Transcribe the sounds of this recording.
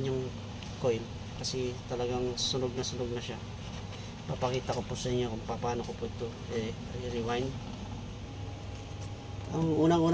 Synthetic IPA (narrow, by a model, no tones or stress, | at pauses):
ɲoŋ | ko̞jn | kɐsɛt̪ɐlɐɡaŋsʊnoɡ̚nɐsʊnoɡ̚nɐʃa | pɐpɐkiːt̪ɐkopʊsɐɪɲːo̞kʊŋpɐpaːno̞kopoʔɪt̪o̞ | ɛ | ɐjɾɪwajn | ɐŋʔuːnɐŋuːn